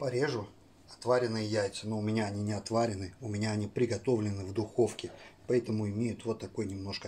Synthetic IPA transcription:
pɐɾʲeʐʊ | ɐt̪vaɾʲɪnɨjəjæjt̪sɨnoʊmʲɪnʲaɐnʲinʲɪɐt̪vaɾʲɪnɨʊmʲɪnʲaɐnʲipɾʲɪɡɐt̪o̞vlʲɪnɨvd̪ʊxo̞fkʲɪpɐɛt̪əmʊɪmʲejʊt̪vot̪ːɐko̞jnʲɪmno̞ʂkə

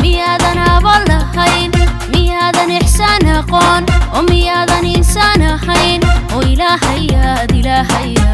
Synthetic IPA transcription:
mɪjaːðɐnɐβɐlɐhɐjnmɪjaːðɐnɛħsanɐqɔːnɔːmɪjaːðɐnɪnsaːnɐɦɐjnɔːɪlaːɦɐjɐd̪ɪlaːɦɐj

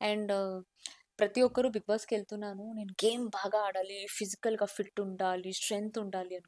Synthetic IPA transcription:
ɛɳɖ | pɾɐt̪iɔkːɐɾubiɡ̚baːskeːlt̪unːaːnune̞ːnuɡeːmbʱaːɡɐaːɽaːlipʰid͡ʒikɐlɡaːfʰiʈːuɳɖaːlisʈɾent̪uɳɖaːliɐnu

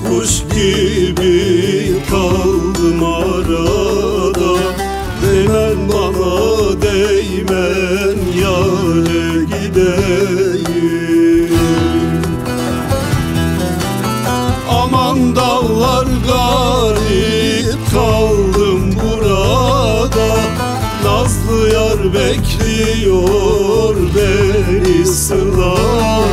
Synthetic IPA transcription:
uʃkʲibit̪ʰɑlˠd̪ɨmɑɾɑd̪ɑ | d̪enænbɑnɑd̪ej | mænjɑlæɡʲid̪æji | ɑmɑnd̪ɑlˠːɑɾɡɑɾipkʰɑlˠd̪ɯmbuɾad̪ɑ | nɑzlˠɯjɑɾbɛkʰʲlijoɾbɛɾisɯlˠɑ

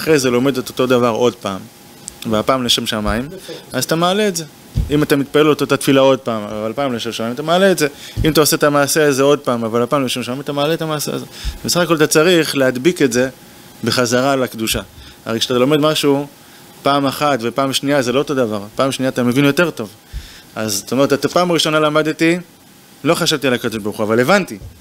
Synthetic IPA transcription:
aχʁejzelo̞me̞d̪toto̞davaʁo̞dpaːm | veapaːmleʃemʃamaimazat̪amaːle̞ːtze̞ | imatamit̪̚palelot̪ot̪atfilao̞d̚paːmavalpaːmleʃemʃamaimat̪amaːle̞ːtze̞imat̪aose̞t̪amaːse̞aze̞o̞d̚paːmavalhapaːmleʃe̞mʃamaimat̪amaːletamaːse̞̰a̰zebesaχakolat̪at͡saʁiχlehad̪biketze̞ | beχazaʁalakd̪uʃa | a̰ʁejkʃeat̪alo̞me̞dmaʃu | paːmaχatvepaːmʃniazelo̞ot̪o̞davaʁpaːmʃniat̪ame̞vinjo̞te̞ʁto̞v | azt̪aomeetat̪apaːmaʁiʃo̞nalamad̪ti | lo̞χaʃavt̪ialakad̪o̞ʃbaʁuχuavale̞vanti

